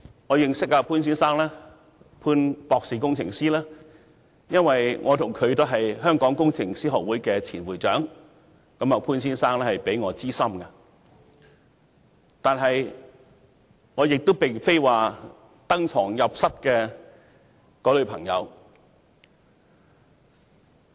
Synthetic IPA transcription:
ŋɔː˨˧jɪ˨˧ŋsɪ˥k̚aː˧pʰuː˥nsiː˥nsaː˥ŋlɛː˥ | pʰuː˥npɔː˧k̚siː˨˩kʊ˥ŋt͡sʰɪ̰˨˩ŋsiː˥laː˥ | jɐ˥nwɐ˨jŋʔɔ̰ː˨˧t̪ʰʊ˨˩ŋkʰɵ˨˧ɥt̪o˥wɦɐ˨jɦœː˥ŋkɔː˨˥ŋkʊ˥ŋt͡sʰɪ˨˩ŋsiː˥ɦɔː˨k̚wuː˨˥jkɛː˧t͡sʰiː˨˩nwuː˨˩jt͡ʃœː˨˥ŋ | kɐ˨˥mɐ˨˧pʰuː˥nsiː˥nsaː˥ŋlɛː˥hɐ˨jpe˨˥jŋɔː˨˧t͡siː˥sɐ˥mkɐ˧ | t̪aː˨nɦɐ˨j | ŋɔː˨˧jɪ˨k̚t̪o˥wpe˨jfe˥jwaː˨ | t̪ɐ˥ŋt͡sʰɔː˨˩ŋjɐ˨p̚sɐ˥t̚kɛː˧ | kɔː˨˥lɵ˨˧ɥpʰɐ˨˩ŋjɐ̰˨˧w

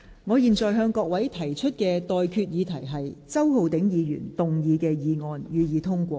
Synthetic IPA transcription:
ŋɔː˨˧jiː˨˩nt͡sɔː˨jɦœː˧ŋkɔː˧k̚wɐ˨˥jt̪ʰɐ˨˩jt͡ʃʰɵ˥t̚kɛː˧t̪ɔː˨jkʰyː˧t̚jiː˨˧t̪ʰɐ˨˩jɦɐ˨jt͡sɐ˥who˨wt̪ɪ˨˥ŋjiː˨˧jy̰ː˨˩nt̪ʊ˨ŋjiː˨˧kɛː˧jiː˨˧ŋɔː˨˧njyː˨˧jiː˨˧t̪ʰʊ˥ŋkʷɔː˧

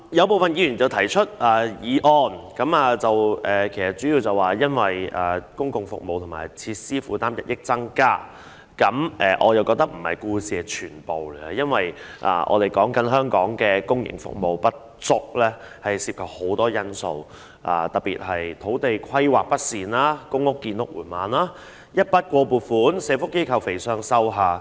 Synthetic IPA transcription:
jɐ˨˧wp̬o˨˩wfɐ˨njiː˧˥jyː˨˩nt͡sɐ˨˩wt̪ʰɐ˨˩jt͡ʃʰɵ˥t̚aː˨˩jiː˨ʔɔː˨nkɐ˨˥maː˨˧t͡sɐ˨wʔɛː˨kʰe˨˩jsɐ˨˩t̚t͡ʃyː˨˥jiː˧wt͡sɐ˨waː˨˩jɐ˥nwɐ˨jaː˨kʊ˥ŋkʊ˨ŋfʊ̰˨k̚mo˨wt̪ʰʊ˨˩ŋmaː˨˩jt͡sʰiː˧t̚siː˥fuː˨˥t̪aː˥mjɐ̰˨t̚jɪ˥k̚t͡sɐ˥ŋkaː˥ | kɐ˨˥mʔɛ˨ʔɔ̰ː˨˧jɐ˨˩wkɔː˧k̚t̪ɐ˥k̚m̩˨˩hɐ̰˨jkuː˧siː˨˧ɛ˧t͡ʃʰyː˨˩npo˨wljɐ˥nwɐ˨jʔa̰ː˧˩ʔɔ̰ː˨˧t̪e˨˩jkɔː˨˥ŋkɐ˨˥nɦœː˥ŋkɔː˨˥ŋkɛː˧kʊ˥ŋjɪ̰˨˩ŋfʊ̰˨k̚mo˨wpɐ˥t̚ | t͡sʊ˥k̚lɛː˥ | hɐ˨jsiː˧p̚kʰɐ˨p̚ho˨˥wt̪ɔː˥jɐ˥nso̰˨˧w | ʔa̰ː˨˧t̪ɐ˨˩t̚piː˨t̚hɐ˨jt̪ʰo˨˥wt̪e˨jkʰɐ˥jwa̰ː˨k̚pɐ˥t̚siː˨naː˥kʊ˥ŋʊ˥kːiː˧nlʊ˨˥k̚wuː˨˩nmaː˨nlaː˥ | jɐ˥t̚pɐ˥t̚kʷɔː˧puː˨˩t̚fuː˨˥nsɛː˨˧˥fʊ˥kːe˥jkʰɐ˨wfe˨˩jsœː˧ŋsɐ˥wɦaː˨˧

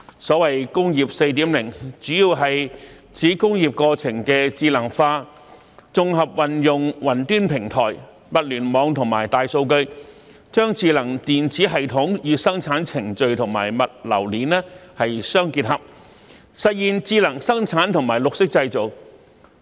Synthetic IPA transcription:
sɔː˨˥wɐ˨jkʊ˥ŋjiː˨p̚se˧jt̪iː˨˥mlɪ˨˩ŋt͡ʃyː˨˥jiː˧wɦɐ˨j | t͡sʰiː˨˥kʊ˥ŋjiː˨p̚kɔː˧t͡sʰɪ˨˩ŋkɛː˧t͡siː˧lɐ˨˩ŋfaː˧ | t͡sʊ˨ŋɦɐ˨p̚wɐ˨njʊ˨ŋwɐ˨˩nt̪yː˥npʰɪ˨˩ŋt̪ʰɔː˨˩j | mɐ˨t̚lyː˨˩nmɔː˨˧˥ŋt̪ʰʊ˨˩ŋmaː˨˩jt̪aː˨jso˧wkɵ˧ɥ | t͡ʃœː˥ŋt͡siː˧lɐ˨˩ŋt̪iː˨nt͡siː˨˥ɦɐ˨jt̪ʰʊ˨˥ŋjyː˨˧sɐ˥ŋt͡sʰaː˨˥nt͡sʰɪ˨˩ŋt͡ʃɵ˨ɥt̪ʰʊ˨˩ŋma̰ː˨˩jmɐ˨t̚lɐ̰˨˩wliː˨˥nlɛː˥hɐ˨jsœː˥ŋkiː˧t̚hɐ˨p̚ | sɐ˨t̚jiː˨nt͡siː˧lɐ˨˩ŋsɐ˥ŋt͡sʰaː˨˥nt̪ʰʊ˨˩ŋmaː˨˩jlʊ˨k̚sɪ˥k̚t͡sɐ˧jt͡so˨˩w

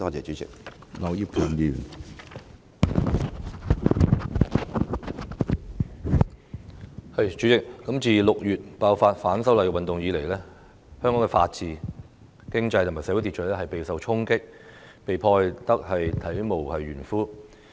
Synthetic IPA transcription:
t̪ɔː˥˩t͡sɛː˨t͡ʃyː˨˦t͡sɪ̰˨k̚nɔ˨˧wjiː˥p̚ki˨˧njyː˨n | hɐ˨jt͡ʃy˨˥t͡sɪ˨k̚kɐ˨˥mt͡siː˨lʊ˨k̚jyː˨t̚paː˧wfaː˧t̚faː˨˥nsɐ˥wlɐ˨jkɛ˧wɐ˨nt̪ʊ˨ŋjiː˨˧le˨˩jlɛː˥ | hœː˥ŋkɔː˨˥ŋkɛ˧fa̰ː˧t̚t͡siː˨˧ | kɪ˥ŋt͡sɐ˧jt̪ʰʊ˨˩maː˨˩sɛː˧˥wu˨˥t̪i˨t̚t͡ʃʰɔː˨˥lɛː˥hɐ˨jpe˨jsɐ˨wt͡ʃʰʊ˥ŋkɪ˥k̚ | pe˨jpʰɔː˧jt̪ɐ˥k̚hɐ˨jt̪ʰɐ˨˥jmo˨˩whɐ˨jɥyː˨˩nfuː˥

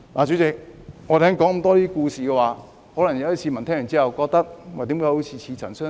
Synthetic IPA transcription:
laː˨˩t͡ɕyː˨˥t͡sɪ˨k̚ŋɔ˨˧t̪ʰɛː˥ŋkɔː˨˥ŋ̩˨˩t̪ɔː˥t̪iː˥kuː˧siː˨kɛː˧waː˨˧˦ | hɔ˨˥lɐ˨˩ŋjɐ˧wɐ˥t͡sʰiː˧mɐ˨˩nt̪ʰɛː˥ŋjɐ˨˩nt͡siː˥hɐ˨wkɔː˧k̚t̪ɐ˥k̚wa˨t̪i˨˥mkaː˧˥jho˨˥t͡sʰiː˨˧t͡sʰiː˧t͡sʰɐ˨˩nsœː˥

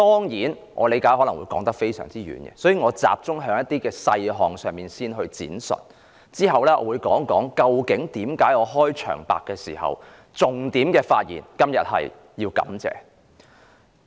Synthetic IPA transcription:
t̪ɔː˥ŋjiː˨˥n | ʔɔː˨˧le˨˧jkaː˨˥hɔː˨˧˥lɐ˨˩wṵː˨˧jkɔː˨˥ŋt̪ɐ˥k̚fe˥jsœː˨˩ŋt͡siː˥ɥy̰ː˨˥nɡɛ̰˧sɔ˨˥jiː˨˧ŋɔː˨˧t͡sa̰ː˨p̚t͡sʊ˥ŋɦœː˨˥ŋjɐ˥t̪iː˥kɛː˧sɐ˧jɦɔː˨ŋsœː˨ŋmiː˨˩nsiː˥nɦɵ˧ɥt͡sḭː˨˥nsɵ̰˨n | t͡siː˥ɦɐ˨wlɛː˥ʔɔ̰ː˨˧wuː˨˧jkɔː˨˥ŋkɔː˨˥ŋkɐ˧wkɪ˨˥ŋt̪iː˨˥mkaː˨˥jɔː˨˧ɦɔː˥jt͡ʃʰœ̰ː˨˩ŋpa̰ː˨kːɛː˧siː˨˩hɐ̰˨w | t͡sʊ˨ŋt̪iː˨˥mkɛː˧faː˧t̚jḭː˨˩nkɐ˥mjɐ̰˨t̚hɐ̰˨j | jiː˧wkɐ̰˨˥mt͡sɛ̰ː˧

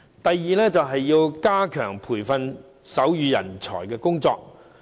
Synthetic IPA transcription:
t̪ɐ˨jːiː˨lɛː˥t͡sɐ˨wɦɐ˨jːiː˧wkaː˥kʰœː˨˩ŋpʰuː˨˩jfɐ˧n | sɐ˨˥wjyː˨˧jɐ̰˨˩nt͡sʰɔ̰ː˨˩jkɛː˧kʊ˥ŋt͡sɔː˧k̚

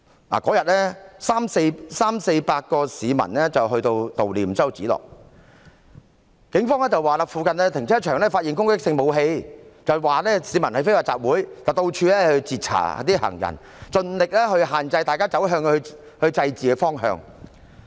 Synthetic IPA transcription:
la̰ː˨˩kɔː˨˥jɐ˨t̚lɛː˥saː˥mse˧jsaː˥mse˧jpaː˧t̚kɔː˧siː˨˧mɐ̰˨˩nlɛː˥t͡sɐ˨wɦɵ˧ɥt̪o˧wt̪o˨wliː˨˩m˨sɐ˥wt͡sḭː˨˥lɔ̰ː˨˩k̚ | kɪ˨˥ŋfɔː˥ŋlɛː˥t͡sɐ˨waː˨˩laː˨˩fuː˨˧kɐ˨nlɛ˥t̪ʰɪ˨˩ŋt͡sʰɛː˥t͡ʃʰœː˨˩ŋlɛː˥faː˧t̚jiː˨˩nkʊ˥ŋkɪ˥k̚sɪ˧ŋmo˨˧wɦe˧jt͡sɐ˨˩wwaː˨lɛː˥siː˨˧mɐ˨˩nhɐ˨jfe˥waː˨˧tt͡saː˨p̚wuː˨˥jt͡sɐ˨wt̪o˧wt͡ʃʰyː˧lɛː˥hɵ˧t͡siː˨t̚t͡sʰa̰ː˨˩˨t̪iː˥hɐ̰˨˩ŋjɐ̰˨˩n | t͡ʃɵ˧nlɪ˨k̚lɛː˥hɵ˧ɥɦaː˨nt͡sɐ˧jt̪aː˨jkaː˥t͡sɐ˨˥wɦœː˧ŋ˧ɵ˧ | hɵ˧ɥt͡sɐ˧jt͡siː˨kɛ˧fɔː˥ŋɦœ̰ː˧ŋ

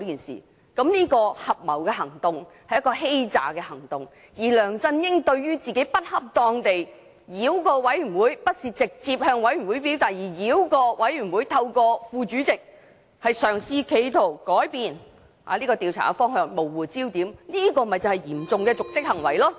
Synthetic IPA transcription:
i˥kiː˨nsḭː˨˩ | kɐ˨˥mniː˥kɔː˧hɐ˨p̚mɐ˨˩wkɛː˧ɦɐ˨˩ŋt̪ʊ˨ŋ | hɐ˨jɐ˥kɔː˧ɦe˥jt͡sa̰ː˨kɛː˧hɐ˨˩ŋt̪ʊ˨ŋ | jiː˨˩lœː˨˩ŋt͡sɐ˧njɪ˥ŋt̪ɵ˧ɥɥyː˥t͡siː˨ke˨˥jpɐ˥t̚hɐ˥p̚t̪ɔː˧ŋt̪e˨j | jiː˨˥wkɔː˧wɐ˨˥jy˨˩wuː˨˥jpɐ˥t̚siː˨˧t͡sɪ˨k̚t͡siː˧p̚hœː˧ŋwɐ˨˥jy˨˩wuː˨˥jpi˨˥wt̪aː˨˩k̚jiː˨˩jiː˨˥wkɔː˧wɐ˨˥jɥyː˨˩nwuː˨˧jt̪ʰɐ˧wkɔː˧fuː˧t͡ʃyː˨˥t͡sɪ˨k̚ | hɐ˨jsœː˨˩ŋsiː˧kʰe˨˧jt̪ʰo˨˩wkɔː˨˥jpiː˨˧n | ha̰˨˦liː˥kɔː˧t̪iː˨˧wt͡sʰa̰ː˨˩kɛ˧fɔː˥ŋɦœː˧ŋmo˨˩wwuː˨˩t͡siː˥wt̪iː˨˥mniː˥kɔː˧m˨ɐ˨jt͡sɐ˨˩hɐ˨˩jiː˨˩mt͡sʊ˨ŋkɛː˧t͡sʊ˨k̚t͡sɪ˥k̚hɐ˨˩ŋwɐ̰˨˩jlɔː˥

